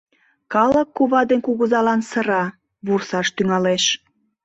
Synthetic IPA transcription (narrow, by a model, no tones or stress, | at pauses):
kɑləkːuβɑd̪enkuɣəzɑlɑnsəɾɑ | βursɑʃt̪yŋɑleʃ